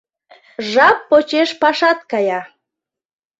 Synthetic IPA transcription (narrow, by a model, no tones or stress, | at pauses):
ʒɑpːot͡ɕeʃpɑʃɑt̪̚kɑjɑ